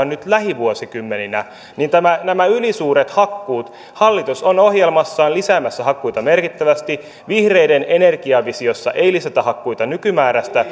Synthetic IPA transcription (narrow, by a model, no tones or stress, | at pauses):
nnyt̪læhiʋuosikymːeninæ | nint̪æmænæmæylisuːɾet̪hɑkːuːt̪ | hɑlːit̪usono̞hjelmɑsːɑːnlisæːmæsːæɦɑkːujt̪ɑme̞rkit̪ːæʋæst̪i | ʋihrejdenene̞rɡ̥iɑʋisiosːɑ̰ʔeijlisæt̪æhɑkːujt̪ɑnykymæːɾæst̪æ